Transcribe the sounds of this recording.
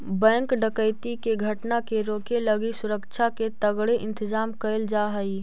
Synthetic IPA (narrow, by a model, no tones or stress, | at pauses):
bɛ̃ːŋkɖəkəɪt̪ikeɡʱəʈnakeɾoːkeləɡisʊɾəkt͡ʃʰaket̪əɡɽeʔɪ̃nt̪əzaːmkəld͡ʒaɦəi